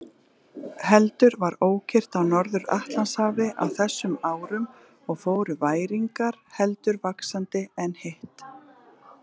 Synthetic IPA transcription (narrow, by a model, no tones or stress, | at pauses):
hɛlt̪ʏɾvaɾoːwcʰɪr̥t̪awnɔɾðʏɾa̰ht̪lanshaːvɪʔa̰wθɛsːʏmaːwɾʏm | ɔɣfoːwɾʏvaːjɾiŋkaɾ̥hɛlt̪ʏɾvaksant̪ɪɛnheht̪